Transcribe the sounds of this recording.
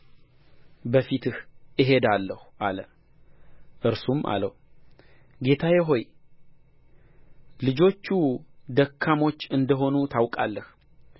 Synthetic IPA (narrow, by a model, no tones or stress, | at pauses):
bəfit̪ɨhɨɦe̞d̪alːəhʔalə | ʔɨɾsumʔa̰lə | ɡet̪ʰajɪɦo̞j | lɨd͡ʒo̞t͡ʃːud̪əkʰːamo̞t͡ʃːɨnd̪əɦo̞nut̪ʰawkʼalːəh